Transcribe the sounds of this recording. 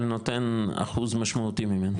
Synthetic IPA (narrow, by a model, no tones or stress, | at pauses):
not̪ena̰χuzmaʃmaut̪imimen